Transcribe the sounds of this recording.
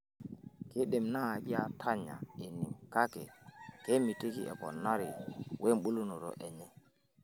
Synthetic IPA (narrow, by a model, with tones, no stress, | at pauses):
kɪ˦ɗe˨mnaː˦˨d͡ʒi˦a˦tʰa˦ɲa̰˨e˨ni˨ka˦kɛ˨ke˦mi˨ti˦kḭ˨ʔɛ̰˨pɔ̰˨nːa˦ɾɪ̰˨wʔe˦mɓu˦lu˦no˨ɾɔ̰˨ʔɛ˨ɲɛ˦